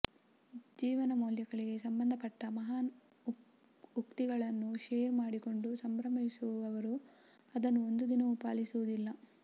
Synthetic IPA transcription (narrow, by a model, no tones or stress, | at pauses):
d͡ʒiːʋɐnɐmoːljɐɡɐɭiɡe̞sɐmbɐnd̪ʱɐpɐʈːɐmɐɦaːn | ukt̪iɡɐɭɐnːuʃeːɾmaːɽiko̞ɳɖusɐmbɾɐmɐɦisuʋuʋɐʋɐɾu | ɐd̪ɐnːuond̪ud̪inɐʋupaːlisuʋud̪ilːɐ